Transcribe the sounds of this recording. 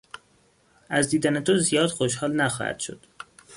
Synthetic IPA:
æzd̪iːd̪ænet̪ʰozijɒːd̪̥xoʃ̬hɒːlnæxɒ̰hæ̰d̪̥ʃo̞̰d̪̥

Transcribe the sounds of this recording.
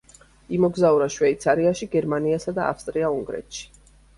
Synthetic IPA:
imɔɡzauɾaʃwɛit̪sʰaɾiaʃiɡɛɾmaniasad̪aa̰fst̪ʼɾiauŋɡɾɛ̰t̪ʃi̥

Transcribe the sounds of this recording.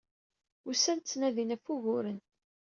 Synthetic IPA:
usænt͡sːnæðinæfuʝʊɾən

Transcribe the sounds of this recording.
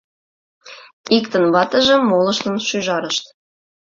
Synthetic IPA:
ikt̪ə̆nβɑt̪ə̆ʒĕmolə̆ʃt̪ə̆nʃyʒɑɾəʃt̪

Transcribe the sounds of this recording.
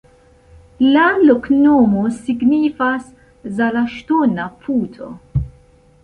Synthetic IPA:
lɐnlʊknoːmusɪɡniːfɐs | zɐlɐʃt̪uːnɐpʰuːt̪ʰɔ̰

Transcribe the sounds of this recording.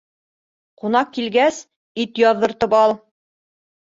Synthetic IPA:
qunɑq̚kilɡæs | it̪jɒððɤ̆ɾt̪ɤpɑlˠ

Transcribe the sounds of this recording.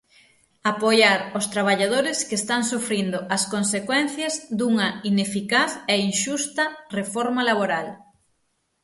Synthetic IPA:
apojaɾost̪ɾaβ̞aʎað̞oɾɪskest̪aŋsufɾind̪ʊʔɐskonsekwɛn̟θjɐzd̪uŋɐinefikaθɛiŋʃust̪ɐrefɔɾmalaβoɾal

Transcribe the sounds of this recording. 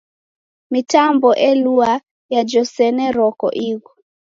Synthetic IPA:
mitambɔʔɛlua | jad͡ʒɔsɛnɛɾɔkɔ̰ʔiɣɔ

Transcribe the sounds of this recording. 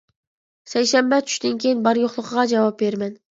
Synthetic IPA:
sæjʃæmbɛt͡ʃʰy̥ʃt̪ɪnkʲʰejinbɑɾjoχlˠəqəʁɑd͡ʒɑvɑp̚beɾmɛn

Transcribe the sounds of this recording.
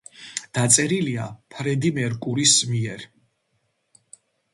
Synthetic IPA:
d̪̥at̪sʼɛɾiliapʰɾɛd̪imɛɾkʼuɾismiɛɾ

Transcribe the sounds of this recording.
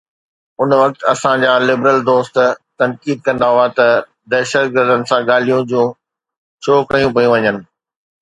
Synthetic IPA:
ʊnʋɐk̚t̪ɐsãd͡ʑaːlɪbɾəld̪oːst̪t̪ɐnkiːd̪̚kɐ̃nd̪aɦʊat̪ɐ | d̪ɛːʃət̪̚ɡəɾd̪ənɪ̆sãɠaːl̤ijũd͡ʑũː | t͡ɕʰoːkɐjũpɐjũʋɐɲənɪ̆

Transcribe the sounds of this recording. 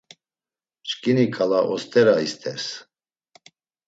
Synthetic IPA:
t͡ʃkʼinikʼalaʔɔst̪ʼɛɾaist̪ʰʼɛs

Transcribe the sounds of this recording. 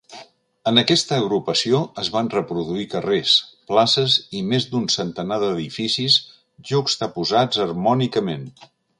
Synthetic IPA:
ənəkɛst̪əːɣ̞ɾupəsioəzβanrəpɾuðuikəresplasəzimezd̪unsənt̪ənaðəðifisis | ʒukz̥t̪əpuzad͡zərmɔnikəmen

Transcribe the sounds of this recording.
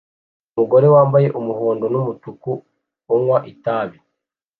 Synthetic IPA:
umuɡo̞ɾe̞waːmbaje̞ʔumuhoːndonumutuku | omwaʔitaːβi

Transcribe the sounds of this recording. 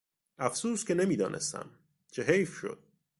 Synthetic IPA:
æfsuːs̚cʰe̞ne̞miːd̪ɒːnʔe̞̰st̪æ̰m | t͡ʃʰeɦejfʃo̰d̪̥̚

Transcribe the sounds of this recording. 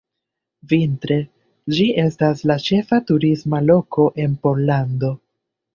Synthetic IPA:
vintɾe̞ | d͡ʒiʔe̞staslat͡ʃe̞fatuɾismalo̞ko̞ʔe̞npo̞ɾlando̞

